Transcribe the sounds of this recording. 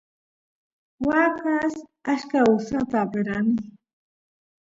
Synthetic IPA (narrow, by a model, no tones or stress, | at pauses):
wakasaʃkaʊsat̪abɪɾanɪ